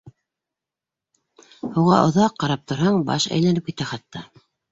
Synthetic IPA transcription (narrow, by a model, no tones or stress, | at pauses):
huʁɑ̰ʔŏðɑqːɑɾɑp̚t̪ʰŏɾɦɑɴbɑ̰ʃæ̰jlænɘpkɘt̪æχɑt̪ːɑ